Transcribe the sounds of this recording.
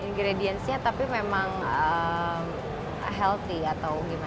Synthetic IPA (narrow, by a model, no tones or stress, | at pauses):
iŋɡɾediɛnsɲat̪apimemaŋəm | ɦɛlt̪iat̪awɡima